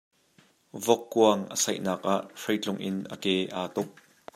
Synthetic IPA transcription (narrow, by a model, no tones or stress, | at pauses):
vɔkːuɐŋʔəsɐjʔnaːk̚ʔaʔʂɐjt͡ɬʊŋʔɪnʔəkɛːʔaːt̪ʊk̚